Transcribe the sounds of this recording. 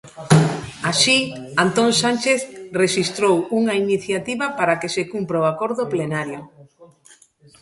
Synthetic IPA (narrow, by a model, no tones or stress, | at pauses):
aʃiant̪onsant͡ʃeθreʃist̪ɾowuŋainiθjat̪iβapaɾakesekumpɾaoakoɾðoplenaɾjo